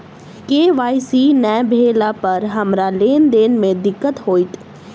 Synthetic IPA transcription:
keːʋaːisiːnɛːbʱeːlapəɾɦɐmɾaleːnd̪eːnmẽd̪ɪkːət̪ɦoːit̪

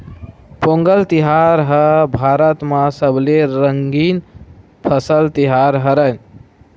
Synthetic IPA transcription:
poŋɡəlt̪iɦaɾɦəbʱaɾət̪mãsəbleɾəŋɡin | pʰəsəlt̪iɦaɾɦəɾən

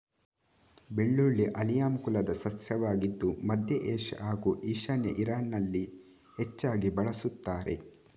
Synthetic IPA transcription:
beɭːuɭːiʔɐlijaːmkulɐd̪ɐsɐsjɐʋaːɡid̪ːumɐd̪jɐʔeːʃaːɡuːʔiːʃɐnjɐ̰ʔiɾaːnnɐlːi | het͡ʃːaːɡibɐɭɐsut̪ːaːɾe̞̰

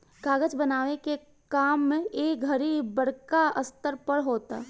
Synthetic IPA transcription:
ɡaːɡət͡ʃbənaːʋeke | kaːmːẽeːk̚ɡʱəɾibbəɽkaəst̪əɾpəɽɦoːt̪a̰ː

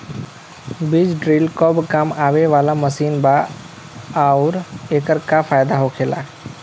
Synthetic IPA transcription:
bɪd͡ʒɖɾiːlkobkamaːʋeʋaːlaməsiːnba | aʊɾeːkəɾkafaːjd̪aɦokʰeːla̰ː

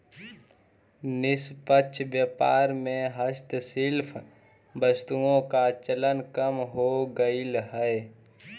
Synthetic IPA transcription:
nɪspət͡ʃʰbjəpaːɾmẽɦəʃt̪sɪlpʰ | bəst̪uõkat͡ʃələnkəmɦoɡəilɦɛe

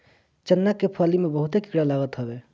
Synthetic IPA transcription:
t͡ʃənːakepʰəlimebəɦut̪eki̥kɽalaɡət̪ɦəbe

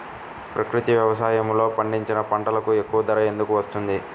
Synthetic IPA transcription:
pɾɐkɾut̪iʋjɐʋɐs̬aːjɐmlo̞ːpɐɳɖiɲt͡ʃinɐpɐɳʈɐlɐkue̞kːuʋɐd̪ɐɾɐje̞nd̪ukuʋɐst̪und̪i

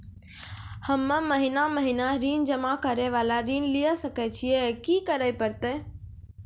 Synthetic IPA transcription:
həmːə̃məɦɪnaməɦɪnaɾiːnd͡ʒəmakəɾɛʋaːlaɾiːnlijəsəkɛt͡ʃʰiɛkikəɾəjpəɾt̪eː

